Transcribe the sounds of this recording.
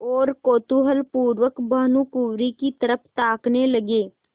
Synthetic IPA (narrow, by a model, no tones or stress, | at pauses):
oːɾkoːt̪uːɦəlpuːɾʋəkbəɦnũkuːɾikit̪əɾəpʰt̪aːkneləɡeː